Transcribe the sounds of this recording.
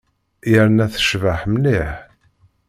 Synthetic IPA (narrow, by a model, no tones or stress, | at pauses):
jəɾnæθə̥ʃvəħmniħ